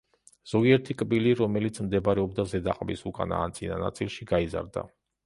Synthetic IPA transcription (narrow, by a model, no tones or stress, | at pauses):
z̥ɔɡiɛɾt̪ʰikʼbiliɾɔmɛlit̪sʰmd̪ɛbɾɛɔbd̪azɛd̪aqʼbisukʼa̰na̰ːnt̪sʼina̰na̰t̪sʼilˠʃiɡaiza̰ɾd̪a̰